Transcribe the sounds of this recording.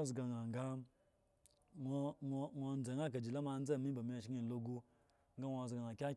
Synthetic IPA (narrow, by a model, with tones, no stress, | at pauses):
zɡa˨ŋa˨ŋ˨ɡa˦ | o˧ŋʷ˧ŋʷo˧˦n˦d͡za˨ŋa˦k̬a˨d͡ʒi˨la˦ma˧n̩˦d͡za˦˨mi˦ba˨mi˨˦a˨ʃi˦ŋi˦˨lo˧ɡu˧ | ŋ˦ɡa˦ŋʷo˧˨zɡa˨ŋa˨kʲa˦